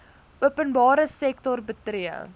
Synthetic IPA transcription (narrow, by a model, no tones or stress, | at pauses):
ʔuəpənbɑːɾəsɛk̚tɔrbətriə̰